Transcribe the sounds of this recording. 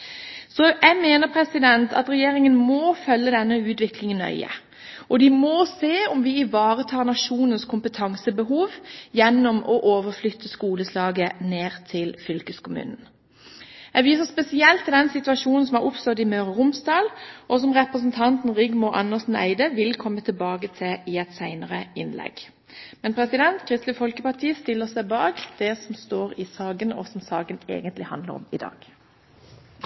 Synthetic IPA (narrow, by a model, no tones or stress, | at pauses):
sɔjæmeːnəʁpʰʁɛsɪd̪ɛnt̪ʰɑ̰t̪ʁɛjeːʁɪŋənmɔːfœlːəd̪ɛnːəʉːt̪ʋɪklɪŋənœ̰ʏə̰ | ʔɔd̪ɪmɔseːɔmʋɪɪʋɑːɾət̪ʰɑːɾnɑʃuːnənskʰʊmpət̪ʰɑŋsəbəhuːʋjɛnːɔmɔʔoːʋəʁflʏt̪ʰːəskuːləslɑːɡəneːʁt̪ʰɪlfʏlkəskʊmʉ̰ːnn̩ | ɛʋiːsəʁspɛsɪɛlt̪ɪd̪ɛnsɪt̪ʉɑʃuːnn̩sɔmæʁʊpst̪œʁd̪ɪmœːʁəʁʊmsd̪ɑːlʔɔsɔmʁɛpʁəs̬ənt̪ʰɑnt̪n̩ʁɪɡmʊʔɑnːəsn̩æ̰ɪd̪əʋɪlkʰɔmːət̪ʰəlbɑːɡət̪ʰɛɪɛt̪sæɪnəʁəɪnlɛ̰ɡ̥ | mɛnpʰʁɛsɪd̪ɛnt̪kʰʁɪst̪lɪfɔlkəpɑʈ̪ʰiːst̪ɪlːəsæɪbɑːkd̪̥ɛsɔmst̪oːʁɪsɑːɡənɔ̰sɔmsɑːɡənḛːɡənt̪lɪhɑ̰nd̪lə̰ʁɔ̰mɪ̰d̪ɑ̰ːɡ̥